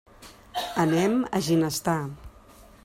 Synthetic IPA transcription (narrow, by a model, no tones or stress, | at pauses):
ənɛməʒinəst̪a